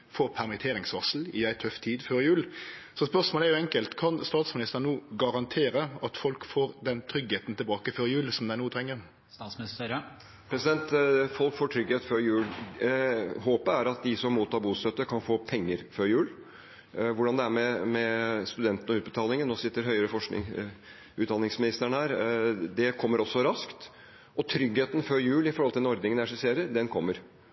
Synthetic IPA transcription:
foːpʰæɾmɪt̪ʰeːɾɪŋsʋɑsl̩ɪæɪt̪ʰœft̪ʰiːd̪føːɾɪjʉːlsɔspœʂmoːlɛæɾjʊɛŋkəlt̪kʰɑnst̪ɑːt̪smɪnɪst̪əʁnuːɡɑɾɑnt̪ʰeːɾəɑt̪fɔlkfoːɾd̪ɛnt̪ʰɾʏɡheːt̪n̩t̪ʰɪlbɑːkəføɾjʉːlsɔmd̪æɪnuːt̪ʰɾɛŋːəɾ | sɑsɪɾə | pʰɾɛsɪd̪ɛnt̪fɔlkfoːʈʰɾʏɡheːt̪fɔɾjʉːl | ɦoːpəæɾɑt̪̚d̪ɪsɔmːuːt̪ʰːɑːɾbuːst̪œt̪ːəkʰɑnfoːpʰɛŋːəɾføɾjʉːl | ʋʊɖɑnd̪ɛæɾmɛmɛst̪ʉd̪ɛnt̪ənɔʉːt̪̚bət̪ʰɑːlɪŋənːoːsɪt̪ːəɾɦœʏəɾəfɔʂkɪ̰ | ʉːt̪ɑnɪŋsmɪnɪst̪əəɳəhæːɾd̪ɛkʰɔmːəɾɔsːɔɾɑskt̪ | ɔt̪ʰɾʏɡheːt̪ən̩føːɾjʉːlɪfɔɾhɔlt̪ɪd̪ɛnɔɾd̪nɪŋənæʂɪseːɾəɾd̪ɛnkʰɔmːəɾ

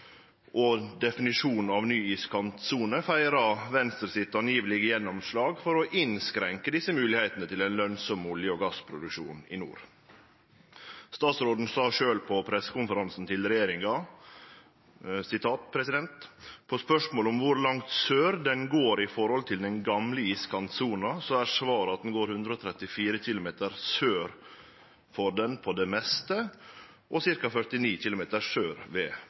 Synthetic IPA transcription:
ʔɔd̪ɛfɪnɪʂuːnn̩ɑʋnyːiːskʰɑnt̪suːnəfæɪɾɑʋɛnst̪ɾəsɪt̪ːɑnjiːʋəlɪɡəjɛnːɔmʂlɑːɡfɔɾɔʔɪnskɾɛŋkəd̪ɪsːəmʉːlɪhæɪt̪ənət̪ʰɪlæɪnlœnsɔmːʊljəɔːɡɑspʰɾʊd̪ʉkʂṵːnɪ̰nṵːɾ | st̪ɑːt̪sɾoːd̪n̩sɑːʂøːlpʰɔpʰɾɛsːə̥kʊnfəɾɑnsn̩t̪ʰɪlɾɛjeːɾɪŋɑ | sɪt̪ʰɑːt̪pʰɾɛsɪd̪ɛnt̪pʰɔspœʂmoːlʊmʋʊɾlɑŋt̪søːɾd̪ɛnɡoːɾɪfɔɾhɔlt̪ʰɪld̪ɛnɡɑmləiːskʰɑnsuːnɑsɔæɾʂʋɑːɾəɑt̪̚d̪ɛn̩ɡoːɾhʉnd̪ɾəɔːt̪ʰɾɛt̪ːɪfiːɾəçɪlʊmeːt̪əɾsøːɾ | fɔɖ̪ɛnpʰɔd̪ɛmɛst̪ə | ʔɔsɪɾkɑfœɾʈ̪ɪniːçɪlʊmeːt̪əɾsøːɾʋeː

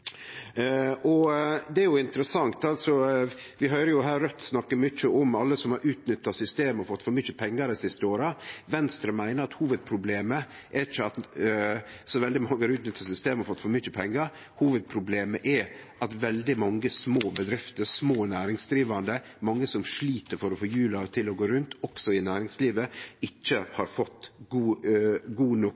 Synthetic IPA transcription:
ʔɔd̪ɛæɾjʊɪnt̪əɾəsɑŋt̪ɑlt̪sɔ | ʋɪɦœʏɾəjʊɦæːɾœt̪ːsnɑkːəmʏt͡ʃːəʔɔmɑlːəsɔmhɑɾʔʉːt̪nʏt̪ːɑsʏst̪eːmɔfɔt̪ːfɔɾmʏçəpʰɛŋːəɾɛsɪst̪əoːɾɑʋɛnst̪ɾəmæɪnəɾɑt̪huːʋəd̪̚pʰɾʊbleːmə | ʔɛɾɪt͡ʃːəɑt̪ | sɔʋɛld̪ɪmɑŋːəɑɾʉːt̪nʏt̪ʰːɑsʏst̪eːmɔfɔt̪ːfɔɾmʏçəpʰɛŋːɑɾ | huːʋəd̪̚pʰɾʊbleːməʔɛʔɑt̪ʋɛld̪ɪmɑŋːəsmoːbəd̪ɾɪft̪əɾsmoːnæːɾɪŋsd̪ɾiːʋɑnd̪əmɑŋːəsɔmʂɭiːt̪əɾfɔɾɔfoːjʉːlɑt̪ʰɪlɔɡoːɾʉnt̪ɔksɔɪnæːɾɪŋsliːʋəɪt͡ʃːəhɑɾfɔt̪ːɡuːɡuːnɔ

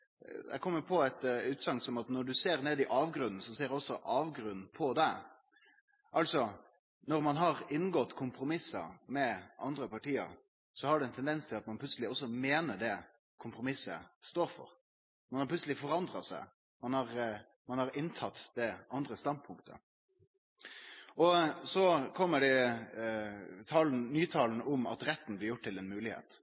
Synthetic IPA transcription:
d̪ɛ̰ɪkʰɔmːəpʰɔɛt̪ʉːt̪sɑŋt̪sɔmɑt̪nɔɖʉseːɾneːd̪ɪʔɑːʋɡɾʉnn̩sɔseːɾɛɔsːɔʔɑːʋɡɾʉnn̩pʰɔd̪ɛ | ʔɑlsɔ | nɔɾmɑnɦɑɾɪnːɡɔt̪ːkʰʊmpʰɾʊmɪsɑ̰mɛʔɑ̰nd̪ɾəpʰɑʈiːə̰ɾ | sɔhɑɖʉɛnt̪ʰɛnd̪ɛnst̪ʰɪlɑt̪mɑnpʰlʉt̪səlɪɔsːɔmeːnəɖɛ | kʰʊmpɾʊmɪsːəst̪oːɾfɔ̰ɾ | mɑnhɑɾpʰlʉtsəlɪfɔɾɑnd̪ʁɑsæɪ | mɑnhɑɾ | mɑnhɑɾɪnt̪ʰɑt̪d̪̥ɛʔɑnd̪ɾəst̪ɑnd̪̚pʰʊŋkt̪ʰə̰ | ɔsɔkʰɔmːəɖɛ | t̪ʰɑːln̩nyːt̪ʰɑːlnʊmɑ̰t̪ɾɛt̪ːn̩blɪɾjʊʈ̚t̪ʰːɪlɛnmʉːlɪhḛːt̪

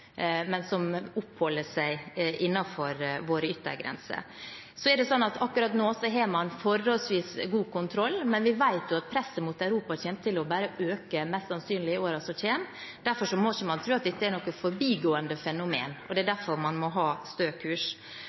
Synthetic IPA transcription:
mɛnsɔmʊphɔlːəʂæɪʔɪnːɑfɔɾʋoːɾəʏt̪ːə̰ɾɡɾɛ̰nsə̰ | sɔɛɾɖɛsɔnːɑt̪ʰɑkːʉɾɑt̪noːsɔɦemɑnfɔɾːolsʋiːsɡuːkʊnt̪ʰɾɔlːmɛnʋɪʋæɪt̪jʊɑt̪̚pʰɾɛsːəmut̪æʉɾuːpɑçeːnət̪ʰɪlɔbæːɾəʔøːkəmɛst̪sɑnsyːnlɪoːɾɑsɔc͡çʰeːnd̪æɾfɔʂɔmɔçəmɑnt̪ʰɾʉːɑt̪̚d̪ɛt̪ːəɛɾnɔkːəfɔɾbiːɡoːənd̪əfɛnʊmḛːnɔd̪ɛːd̪æfɔɾmɑnmɔɦɑːst̪øːkʰʉːʂ

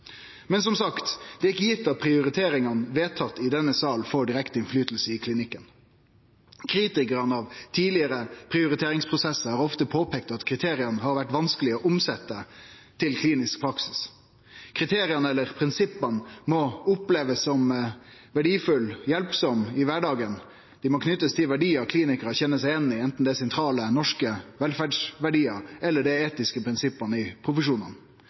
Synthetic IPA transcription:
mɛnsɔmsɑkt̪d̪̥ɛːɪkːəjɪt̪ːɑt̪̚pʰɾɪʊɾɪt̪ʰeːɾɪŋɑnʋeːt̪ʰɑt̪ːɪd̪ɛnːəsɑːlfɔɖɪɾɛkt̪əɪnflyːt̪l̩səɪkʰlɪnɪkːən | kʰɾiːt̪ɪkəɾənəɑʋt̪ʰiːlɪəɾəpʰɾɪʊɾɪt̪ʰeːɾɪŋspʰɾʊsɛsːəɑɾɔft̪əpʰoːpʰɛk̚t̪ɑt̪kʰɾɪt̪ʰeːɾɪɑnəhɑːɾʋæʈʋɑnskəlɪɔːʔʊmsɛt̪ːə | t̪ʰɪlkʰliːnɪsk̚pʰɾɑksɪ̥s | kʰɾɪt̪ʰeːɾɪənəɛlːəɾpʰɾɪnsɪpːənmɔʊpleːʋəsːɔmʋæɖiːfʉljɛlpsɔmɪʋæɖɑːɡən | d̪̥ɪmɔkʰnʏt̪ːəst̪ʰɪlʋæɖiːɑkʰliːnɪkəɾɔçɛnːəsæɪɛnːɪɛnt̪n̩d̪ɛsɛnt̪ʰɾɑːlənɔʂkəʋɛlfæɖʂʋæɖiːəɛlːəɖ̪ɛeːt̪ɪskəpʰɾɪnsɪpːənəɪpʰɾʊfəʂuːnə̰n

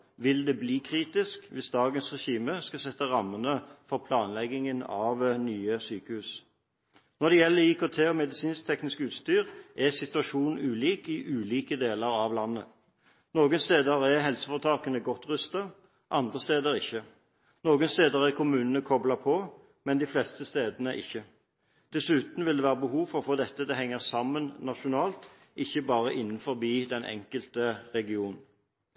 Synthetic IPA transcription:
ʋɪld̪ɛbliːkʰʁiːt̪ɪskʋɪsd̪ɑːɡənsʁɛʃiːməskɑsɛt̪ːəʁɑmːənəfɔʁpʰlɑːnlɛɡːɪŋənɑʋnyːəsyːkəhʉːs | nɔʁd̪ɛjɛlːəikʰoːt̪ʰeːɔmɛd̪ɪsiːnsk̚t̪ʰɛknɪskʉːt̪st̪yːʁʔæsɪt̪ʉɑʂuːnʉːliːkɪʔʉːliːkəd̪eːləʁɑʋlɑnːə | noːɡənst̪eːd̪əʁæʁɦɛlsəfɔʁt̪ʰɑːkənəɡɔt̪ːʁʉst̪ɑ | ʔɑnd̪ʁəst̪eːd̪əʁɪçːə | noːɡənst̪eːd̪əʁæʁkʰʊmʉːnənəkʰɔblɑpʰɔ | mɛnd̪ɪflɛst̪əst̪eːd̪ənəʔɪ̰çːə | d̪̥ɛsʉːt̪n̩ʋɪld̪ɛːʋæːʁəbəhuːfɔʁɔfɔʁd̪ɛt̪ːəd̪ɛɦɛŋːəʁsɑmːənnɑʂʊnɑːlt̪ | ʔɪçːəbɑːʁəʔɪnːn̩fɔʁbiːd̪ɛnʔɛ̰ŋkəlt̪əʁɛɡɪuːnn̩

